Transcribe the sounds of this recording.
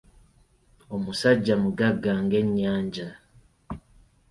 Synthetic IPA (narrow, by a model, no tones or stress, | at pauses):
o̞musaɟːamuɡaɡːaŋɡe̞ɲːaːɲɟa